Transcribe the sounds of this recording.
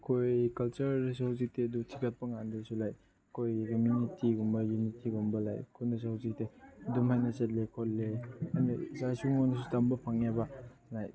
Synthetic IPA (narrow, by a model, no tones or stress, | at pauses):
kʰojkɐlt͡ʃɐɾs̬awzik̚tedutʰikat̚pɐŋandesulaj | kʰojkɐmunitiɡumbɐjunitʰiɡumbɐla̰jkʰunɐs̬awzik̚tedumhajnɐsɐt̚lekʰolːeanisasuŋojnɐs̬u̥tambɐpʰaŋabalaj